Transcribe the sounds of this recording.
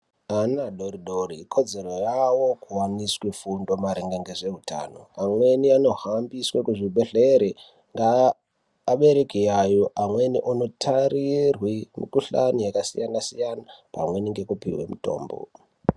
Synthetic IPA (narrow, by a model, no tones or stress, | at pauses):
anaɗoɾiɗoɾikʰo̞d͡ze̞ro̞jawo̞kuwaniswefundo̞maɾeŋɡeŋɡeʐe̞ɦutʰa̰ːno̞̰amwe̞niano̞ɦambiswekuʐiɓeɮeɾe | ŋɡaː | ɓe̞ɾekiajoʔamwe̞niʔono̞tʰarirwimḭkuɬanijakasḭjanasijanapa̰mwe̞niŋɡe̞kupḭwe̞̰muto̞̰ːmbo̰